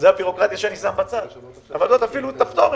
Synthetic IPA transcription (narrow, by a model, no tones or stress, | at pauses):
zeabiʁo̞kʁat̪jaʃeanisambat͡sad̪̥ | avalzot̪afilut̪apt̪om